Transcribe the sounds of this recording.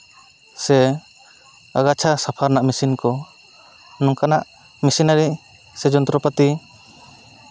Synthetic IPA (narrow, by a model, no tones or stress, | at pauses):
sɛ | aɡat͡ʃʰasapʰaɾnaʔmisinkɔ | nɔŋkanaʔ | misinaɾi | sɛd͡ʒɔnt̪ɾɔpat̪i